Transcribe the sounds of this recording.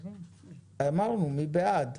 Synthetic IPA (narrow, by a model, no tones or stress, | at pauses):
ɛmãwunũmĩbɛad̪